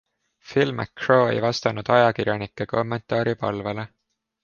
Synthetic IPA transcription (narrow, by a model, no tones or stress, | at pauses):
filmæ̰kroːḛjvɑst̪ɑnud̪̥ɑjɑkirjɑnikˑːeko̞mːent̪ˑɑːɾipɑlvele̞